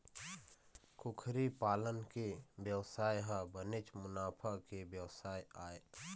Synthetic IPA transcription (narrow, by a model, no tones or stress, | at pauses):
kʊkʰɾipaːlənkebjəwsaːjɦabənet͡ʃmʊnaːpʰakebjəwsaːjaːe